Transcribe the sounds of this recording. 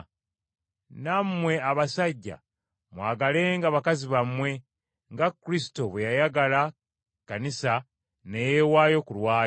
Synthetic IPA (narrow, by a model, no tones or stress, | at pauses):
namwe̞aβasaɟːa̰ | mwaːɡale̞ːŋɡaβakaziβamwe̞ | ŋɡakːuɾisi̥to̞βwejajaɡala | kːanisa | nejewaːjo̞kulwaː